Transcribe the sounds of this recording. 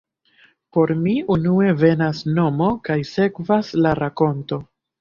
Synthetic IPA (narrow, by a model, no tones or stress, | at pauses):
po̞ɾmiunue̞ve̞nasno̞mo̞kajse̞kvaslaɾako̞nto̞